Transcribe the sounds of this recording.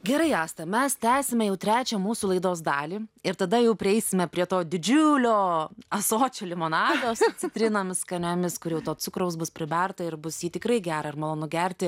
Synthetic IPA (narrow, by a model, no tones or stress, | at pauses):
ɡʲɛɾɐɪɑːst̪ɐmʲɛst̪ʲæːsʲɪmʲɛjɛʊt̪ʲɾʲæːt͡ʃʲɛmuːsuːlˠɐɪd̪oːzd̪ɑːlʲiːɪɾt̪ɐd̪ɐjɛʊpʲɾʲɪɛɪsʲɪmʲɛpʲɾʲiɛt̪oːd̪ʲɪd͡ʒʲʊlʲoːɐsoːt͡ʃʲoːlʲɪmoːnɑːd̪ʲoːst͡sʲɪt̪ʲɾʲɪnomʲɪskɐnʲomʲɪskʊɾjɛʊt̪oːt͡sʊkɾɐʊsbʊspʲɾʲɪbʲɛrt̪ɐɪɾbʊsjiːt̪ʲɪkɾɐɪɡʲæːɾɐɪrmɐlˠoːnʊɡʲɛɾʲt̪ʲɪ